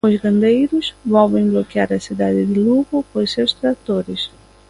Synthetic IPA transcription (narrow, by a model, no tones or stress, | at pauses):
ozɡɐ̃nd̪ejɾʊzvɔwvẽŋblokiaɾɐsid̪ad̪ɪd̪ɪluɣʊpojsewst̪ɾat̪oɾɪs